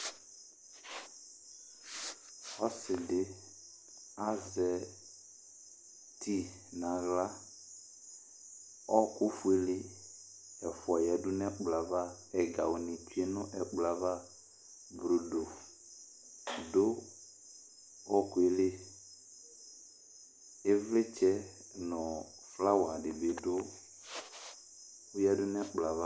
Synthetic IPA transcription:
ɔ˦sɪ˨dɪ˦ | a˦zɛ˨ | ti˦ | nã˨ɣla˦ | ɔ˦kʊ˦fʊ˨e˦le˦ | ɛ˨fʊ˨ɔ˨jɛ˨dʊ˦n˦ɛ˦k͡pla˨va˦˨ | ɛ˨ɡa˨wʊ˨nɪ˨t͡ʃu˨˦e˦nʊ˦ʔɛ˨k͡pla˨va˦˨ | bɾo˨do˨ | dʊ˦ | ɔ˦kʊ˨e˨lɪ˦ | ɪ˦vlɪ˦t͡ʃɛ˦ | nʊ˨ | fla˦wa˨dɪ˨ve˨dʊ˦ | ʊ˦jɛ˦dʊ˦n˦ɛ˦k͡pla˨va˦

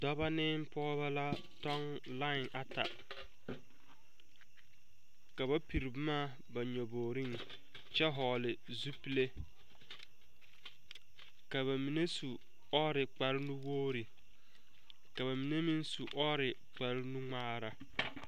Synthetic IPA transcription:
dɔ˦ba˦nɪː˦m˦pɔ˦βa˦la˦ | tɔ˦ŋ | la˦ɪ˨ŋʔa˨ta˨ | ka˨ba˦pi˨ɾɪ˨bʊ˦maː˦ | ba˨ɲɔ˨boː˨ɾi˦˨ŋ | t͡ʃɛ˦ɦɔː˨lɪ˨ | zu˦pi˦le˦ | ka˨βa˨mi˨ne˦su˨ | ɔ˦ɾɪ˨k͡pa˨ɾɪ˦nu˦woː˦ɾi˨ | ka˨βa˨mi˨ne˦mi˦nsu˨ʔɔ˦ɾɪ˨ | k͡pa˨ɾɪ˦nu˦ŋ͡maː˦ɾa˨

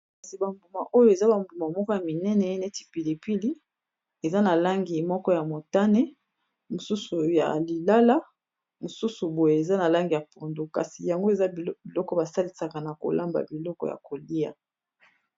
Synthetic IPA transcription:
ka˨si˨ba˨mbu˨ma˨ʔo˦jo˦e˨za˦ba˨mbu˨ma˨mɔ˦kɔ˦ja˨mi˨nɛ˦nɛ˨˦nɛ˦ti̥˨pi˨li˨pi˦li˦ | e˨za˦na˨la˦ŋɡi˨mɔ˦kɔ˦ja˨mo˨ta˦nɛ˦ | mo˨su˦su˨ja̰˨li˨la˦la˦ | mo˨su˦su˨bo˨je˨e˨za˦na˨la˦ŋɡi˨ja˨po˨ndo˦ka̰˨si˨ja˨ŋɡo˦e˨za˦bi˨lɔ˦kɔ˦ba˨sa˦li˦sa˨ka˨na˨ko̰˨lʔa˦mba̰˨bi˨lɔ˦kɔ̰˦ja̰˨ko˨li˦ja̰˨

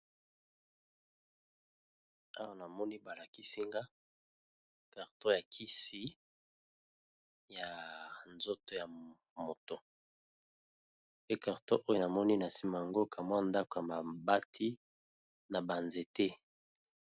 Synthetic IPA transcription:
a˦wa˦na˨mɔ˦ni˦ba˨la˨ki˦si˦ŋɡa˦ | ka˨ʁtõ˦ja˨kʰi˦si˦ | ja˨nzo˦to˨ja˨ | mo˨to˨ | pe˦ka˨ʁtõ˦ʔo˦jo˦na˨mɔ˦ni˦na˨si˦ma˨a˨ŋɡo˦kʰa˨mwa˦nda˦ko˨ja˨ma˨ba˦tʰi˦ | na˨ba˨nze˨tɛ˦

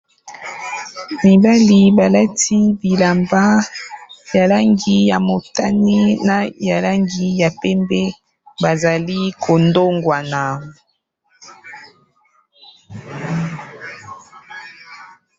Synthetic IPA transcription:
mi˨ba˦li˨ba˨la˦ti˦bi˨la˨mba˦ | ja˨la˦ŋɡi˦ja˨mo˨ta˦ni˦na˨ja˨la˦ŋɡi˦ja˨pɛ˦mbɛ˦ | ba˨za˨li˦kʰo˨ndo˦ŋɡwa˨na˨

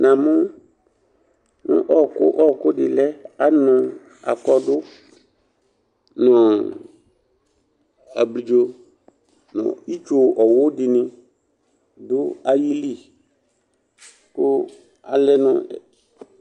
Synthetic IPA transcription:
nã˨mʊ̃˦ | nʊ̰̃˦ʔɔ˦˨kʊ̰˦ʔɔ˦˨kʊ˦dɪ˨lɛ˦a˦nɔ̃˨ | a̰˨kɔ˦dʊ˦ | nɔ̃˨ | a̰˨bli˨d͡ʒo˦ | nɔ̰̃˨i˦t͡ʃo˨ɔ˨wʊ˦dɪ˨nɪ̃˦ | dʊ˦a˨ji˦li˦˨ | kʊ˦ | a˨lɛ˦nʊ̃˨

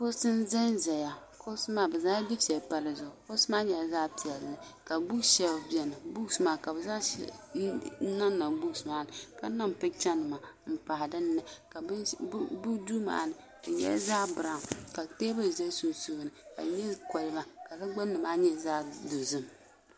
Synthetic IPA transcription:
bʊ˦sɨ˦nzɨ˦nzɛ˨ja˨ | kʰʊ˦sɨ˦maː˦bɛ˨zaː˦di˦pɛ˨pa˦lɨ˨zʊ˨ɡʊ˨kʊ˦sɨ˦maː˦ɲɛ˨zaː˦pi˨ɛ˨lnɨ˨ka˨bu˦ʃɛ˨bjɛ˨nɨ˨bu˦˨smaː˦ka˨bɨ˨za˦ | na˦nːa˨bu˦˨smaː˦nɨ˨ka˦na˦m˨pɨ˦t͡ʃa˦nɨ˨ma˨m̩˨pa˨hɪ˨dɨ˦n˦nɛ˦ka˨˦bu˦du˦ma̰ː˨˦nɨ˨ | dɨ˨ɲɛ̰˦zaː˦bɨ˨a˨ŋ˨ka˨teː˦bɨ˦˨zɛ˦so˦su˦˨nɨ˨ka̰˨ɲɛ˦kɔ˨lɨ˨˦ma˨ka˨la˦ɡ͡ba˦nːɨ˨maː˦ɲɛ˦˨zaː˦dʊ˨zɨ˦m

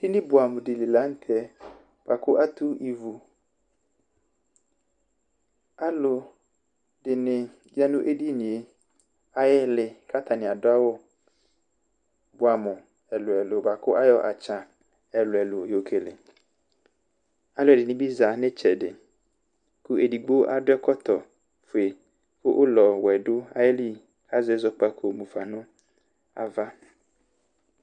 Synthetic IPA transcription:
d̥ɪ˦nɪ̃˦bʊ˨a˨mʊ̃˨dɪ˨li˨la˦n̩˦tʰɛ˦ | b̥a˨kʰʊ˦ʔa˦tʰu˦i˨vu˨ | a˦lʊ˨ | dɪ˨nɪ̃˨ | ja˦nʊ̃˦ʔe˦di˦nĩ˨e˦ | a˦jɪ˦lɪ˨kʰa˦tʰa˨nɪ̃˨a˨dʊ˦a˦wʊ˦ | bʊ˨a˨mʊ̃˨ | ɛ˨lʊ˨ɛ˨lʊ˨ba˨kʰʊ˦ʔa˦jɔ˨ʔa̰˨t͡ɕʰã˨ | ɛ˨lʊ˨ɛ˨lʊ˨jo˨kʰe˨lɪ˨ | a˨˦lʊ˦ɛ˨dɪ˨nɪ̃˦bi˦za˨nɪ̃˦t͡ʃʰɛ˨dɪ˨ | ku˦ʔe˨di˨ɡ͡bo˦ʔa˦dʊ˦ɛ˦kʰɔ˦t̪ʰɔ˨ | fʊ˨e˨ | fʊ˦ʔʊ˦lɔ˨wɛ˨dʊ˦a̰˦jɪ˦li˦ | kʰa˦zɪ˦zɔ˦k͡pa˦kʰo˨mũ˨fa˨nʊ̃˦ | a̰˨va˦

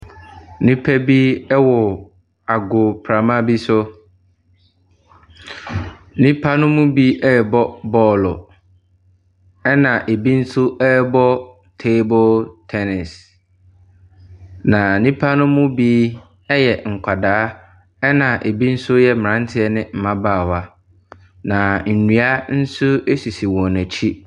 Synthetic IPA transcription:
nĩ˦pʰɛ˦biː˦ɛ˦wɔ˨ | a˨ɡʊ˨pʰɾa˨mã˦bi˦sʊ˦ | nĩ˦pʰa˦nʊ̃˦mʊ̃˦bi˦ʔɛ˦˨bɔ˦bɔː˦lɔ̰˨ | ɛ˦nã˨ʔe˨bi˦n̩˦sʊ˦ʔɛ˦˨bɔ˦ | tʰe˦bɔ˦ltʰɛ˦nɪ˨s | nã˨nĩ˦pʰa˦nʊ̃˦mʊ̃˦biː˦ | ɛ˦jɛ˨ŋ̩˨kʷʰa˨daː˨˦ | ɛ˦nã˨ʔe˨bi˦n̩˦sʊ˦jɛ˦mɪ̃˨ɾã˦n˦tʰɪ˦ɛ˦nɪ̃˦m̩˨mã˦baː˦˨wa˦ | nã˨n̩˨nũ˨a˦n̩˦sʊ˦e˦si˨si˨wɔ̃˨næ˨t͡ɕʰi˦

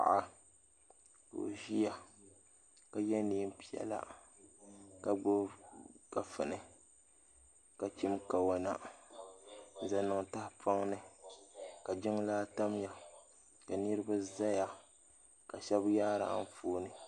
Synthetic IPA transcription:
a̰˨ʔa˦ | ko̰˨ʒi˦ja˨ | ka˨jɛ˦niː˦m˦pi˦˨ɛ̰˨la̰˦ | ka˨ɡ͡bʊ˦ka˨fɨ˨nɨ˨ | ka˨t͡ʃi˦mka˨wa˨na˦˨ | za˨nɨ˨ŋta˦hpʰa˦ŋnɨ˦ | ka˨d͡ʒɪ˦ŋ˦laː˦ta˦m˦ja˨ | ka˨nɨ˦ɾɨ˦ba˦za˦ja˨ | ka˨ʃɛ˦bjaː˦ɾa̰˨˦n˦foː˦nɨ˨

